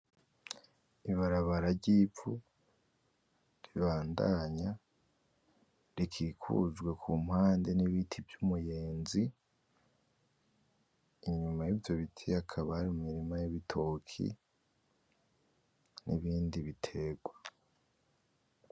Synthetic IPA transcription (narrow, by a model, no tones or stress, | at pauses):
iβaɾaβaɾaɾɟiːfu | ɾiβaːndaɲa | ɾikʰiːkʰṵzɡwe̞kʰum̥haːnde̞niβitʰivjumujeːnzi | iɲumajivjo̞βitʰiakʰaβaaɾimumiɾimajiβitʰo̞kʰḭ | nʔḭβiːndiβitʰe̞ɡwa